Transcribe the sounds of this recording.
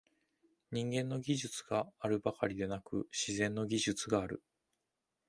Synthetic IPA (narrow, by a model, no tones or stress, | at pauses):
ɲ̟ĩŋɡẽ̞nːo̞ɡʲiʑɨt͡sɨɡ̥aːɾɯ̟bakaɾʲid̪e̞nakɯ̟ɕizẽ̞nːo̞ɡʲiʑɨt͡sɨɡaːɾɯ̟̰